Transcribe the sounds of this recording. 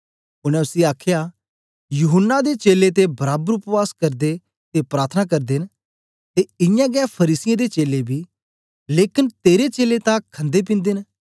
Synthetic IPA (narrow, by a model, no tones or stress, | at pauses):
ʊɽ̃ɛ̃ʊsiaːkʰjaː | juɦənːad̪et͡ʃeːlet̪̬ebɐɾaːbəɾʊpʋaːskɐɾd̪e | t̪epɾaːɾt̪ʰənakɐɾd̪en | t̪eɪjãɡɛːpʰəɾiːsɪjãd̪eːt͡ʃeːlebʱiː | leːkɪnt̪eːɾet͡ʃeːlet̪ãkʰə̃nd̪ep̬ɪ̃nd̪en